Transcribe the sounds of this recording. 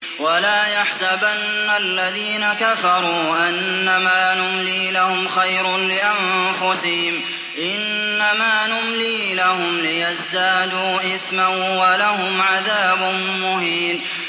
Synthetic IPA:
walaːjaħsabanːalːaðiːnakafɑɾˤuːʔanːamaːnʊmliːlahʊmxajɾʊnlɪʔanfʊsɪhɪm | ʔɪnː | amaːnʊmliːlahʊmlɪjazd̪aːd̪uːʔɪθmanwalahʊmʕaðaːbʊn | mʊɦiːn

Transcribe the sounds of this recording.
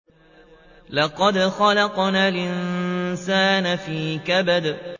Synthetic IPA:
lɑqɑd̪xɑlɑqnaːlʔɪnsaːnafiːkabad̪

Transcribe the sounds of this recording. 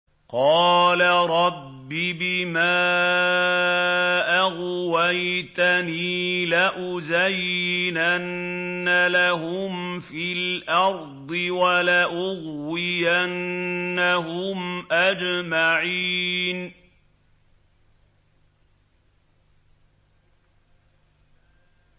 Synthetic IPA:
qɑːlaɾˤɑbːibɪmaː | ʔaɣwajt̪aniːlaʔʊzajnanːalaɦʊmfilʔɑɾˤd̪ˤɨwalaʔʊɣːɪjanːaɦʊmʔad͡ʒmaʕin

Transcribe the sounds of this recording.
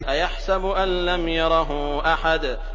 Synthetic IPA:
ʔajaħsabʊʔanlamjɑɾˤɑɦʊ | ʔaħad̪

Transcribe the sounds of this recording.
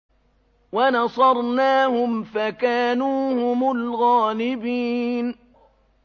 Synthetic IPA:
wanɑsˤɑɾˤnaːhʊmfakaːnuːhʊmʊlɣaːlɪbiːn

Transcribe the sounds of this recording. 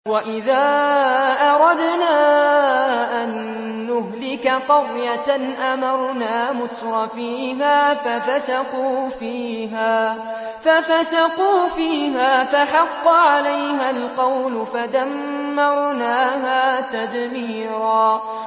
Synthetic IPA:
waʔɪðaːʔɑɾˤɑd̪naː | ʔanː | ʊɦlɪkaqɑrjanʔamɑɾˤnaːmʊt̪ɾˤɑfiːɦaːfafasaquːfiːɦaː | fafasaquːfiːɦaːfaħɑqːʕalajɦalqɑwlʊfad̪amːɑɾˤnaːɦaːt̪ad̪mi | ɾaː

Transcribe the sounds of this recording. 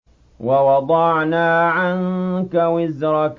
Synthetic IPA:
wɑwɑd̪ˤɑʕnaːʕankawɪzɾˤɑk

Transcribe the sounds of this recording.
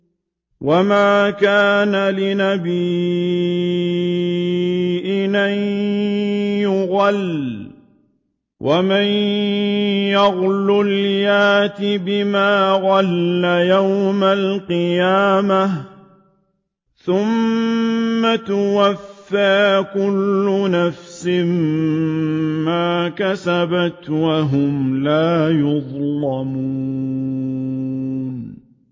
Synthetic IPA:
wamaːkaːnalɪnabi | ʔɪnan | jʊɣal | wʔaman | jɑɣlʊljaːt̪ɪbɪmaːɣalːajawmalqɨjaːma | θʊmː | at̪ʊwafːaːkʊlːʊnafsɪm | maːkasabat̪waɦʊmlaːjʊðˤlɑmuː | n

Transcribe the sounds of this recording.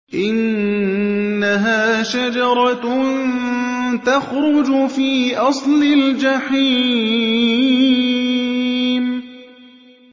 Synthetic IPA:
ʔɪn | aɦaːʃad͡ʒɑɾˤɑn | t̪axɾʊd͡ʒʊfiːʔɑsˤlɪld͡ʒaħi | m

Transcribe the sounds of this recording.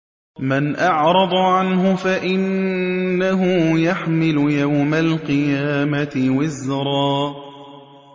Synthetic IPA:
manʔɑʕɾˤɑd̪ˤɑʕanɦʊfaʔɪnː | aɦʊjaħmɪlʊjawmalqɨjaːmat̪ɪwazːɾˤɑː

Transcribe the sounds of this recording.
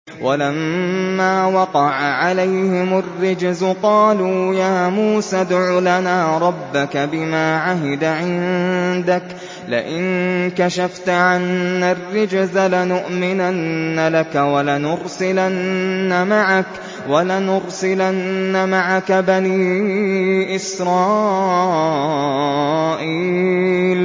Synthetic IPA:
walamːaːwɑqɑʕaʕalajhɪmʊrːɪd͡ʒzʊqɑːlujaːmuːsaːd̪ʕʊlanaːɾˤɑbːakabɪmaːʕaɦɪd̪aʕɪnd̪ak | lɪ̰ʔɪnkaʃaft̪ʕanːarːɪd͡ʒzalanʊʔmɪnanːalakawalanʊɾsɪlanːamaʕak | walanʊɾsɪlanːamaʕakabaniː | ʔɪsɾˤɑː | ʔiːl

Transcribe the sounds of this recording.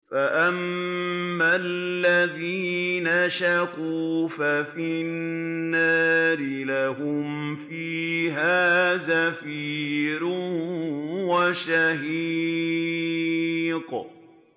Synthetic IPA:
faʔamː | alːaðiːnaʃaquːfafɪnnːaːɾɪlahʊmfiːɦaːzafiːɾʊ | waʃaɦi | q

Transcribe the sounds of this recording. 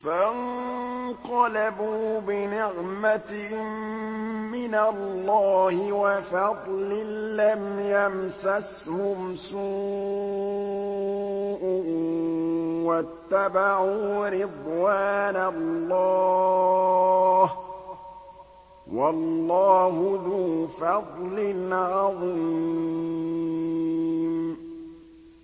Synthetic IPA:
faʔn | q̪ɑlabuːbɪnɪʕmat̪ɪ | mɪnalːɑːhɪwafɑd̪ˤlɪːamjamsas | hʊmsuː | ʔ | wat̪ːabaʕuːɾɪd̪ˤwaːnalːɑː | h | wɑlːɑːɦʊðuːfɑd̪ˤlɪnʕɑðˤi | m

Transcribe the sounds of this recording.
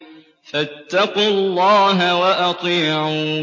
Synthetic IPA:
fat̪ːɑqʊlːɑːɦawaʔɑt̪ˤiːʕ

